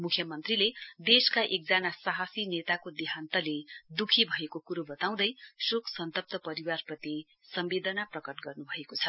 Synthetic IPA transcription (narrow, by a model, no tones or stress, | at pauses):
mukʰjʌmʌnt̪riled̪eskaʔek̚d͡zanasaɦasinet̪akod̪iɦant̪ʌled̪ukʰibʱʌekokuɾobʌt̪aw̃d̪ʌjsoksʌnt̪ʌp̚t̪ʌpʌɾiwarprʌt̪i | sʌmbed̪ʌnaprʌkʌʈɡʌrnubʱʌekot͡sʰʌ